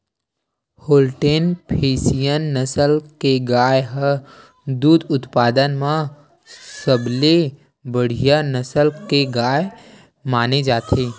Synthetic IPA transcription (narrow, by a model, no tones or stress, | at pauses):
hoːlʈeːnpʰeːsijənːəsəlkeɡaːjɦə | d̪uːd̪ʊt̪paːd̪ənmã | səble | bəɽ̤ijanəsəlkeɡaːj | maːned͡ʒaːt̪ʰeː